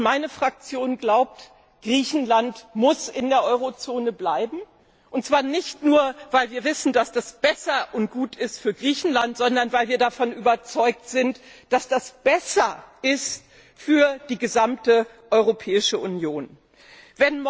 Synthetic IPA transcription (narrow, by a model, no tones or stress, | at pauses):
maɪnəfʁ̥ak̚t͡sjoːnɡlaʊp̚t | ɡ̥ʁiːçn̩lantmʊsɪndeːɐʔɔʏʁot͡soːnəblaɪbm̩ | ʔʊntt͡sv̥aːɐnɪçtnuːɐvaɪlviːɐvɪsn̩d̥asd̥asb̥ɛsɐʔʊnt̚ɡ̥uːtʰɪstfyːɐɡʁiːçn̩lantz̥ɔndɐnvaɪlviːɐdafɔnyːbɐt͡sɔʏk̚tz̥ɪntd̥asd̥asb̥ɛsɐʔɪst | fyːɐd̥iːɡəzamtə | ʔɔʏʁopʰɛːɪʃəʔʊnjoːn | vɛnm